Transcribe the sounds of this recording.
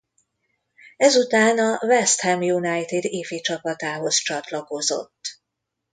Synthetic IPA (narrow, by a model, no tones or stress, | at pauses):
ɛzut̪aːnɒvɛst̪hɛmjunajt̪ed̪eːfeːt͡ʃɒpɒt̪aːɦo̞st͡ʃɒt̪lɒko̞zo̞̰t̪ː